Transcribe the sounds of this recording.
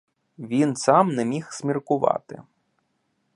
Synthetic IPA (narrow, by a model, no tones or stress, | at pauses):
ʋʲinsɑmnɛmʲixsʲmʲirkʊʋɑ̰t̪ɪ̰